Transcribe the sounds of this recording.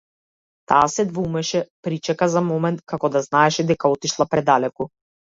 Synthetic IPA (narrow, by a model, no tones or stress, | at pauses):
t̪aːsɛd̪vumɛʃɛpɾit͡ʃɛkazamɔmɛnt̪kakɔd̪aznaɛʃɛd̪ɛkaɔt̪iʃlˠapɾɛd̪alɛku